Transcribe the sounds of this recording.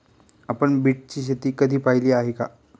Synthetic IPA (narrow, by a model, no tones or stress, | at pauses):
apəɳbiːʈ̚t͡ɕiːɕ̬et̪iːkəd̪ʱiːpailiːaɦeka̰